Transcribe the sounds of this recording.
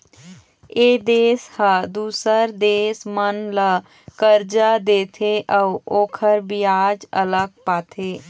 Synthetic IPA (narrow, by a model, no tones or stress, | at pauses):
eːd̪eːshəd̪uːsəɾd̪eːsmənlə | kəɾd͡ʒad̪eːt̪ʰeʔəuoːkʰəɾbiaːd͡ʒə̰ləɡ̚paːt̪ʰeː